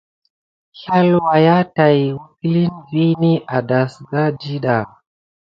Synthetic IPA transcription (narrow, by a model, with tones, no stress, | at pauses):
ha˦lwa˨ja˦ta˨jwu˦ki˦li˦nvi˦ni˦ʔa˨da˨sɡa˦d͡ʒi˦ɗa˨